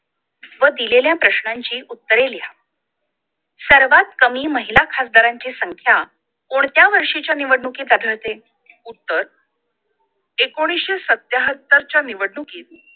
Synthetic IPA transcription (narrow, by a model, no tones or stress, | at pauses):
ʋəd̪ileljapɾəɕɳaɲt͡ɕiːʔut̪ːəɾelja | səɾʋat̪̚kəmiːməɦilakʰasd̪aɾaɲt͡ɕesəŋkʰja | koɳ̃t̪jaʋəɾʂit͡ɕjaniʋəɽɳukid̪ad̪ʱəɾt̪e | ut̪ːəɾ | ekoɽ̃isɕesət̪jaɦət̪ːəɾt͡ɕjaniʋəɽɳuki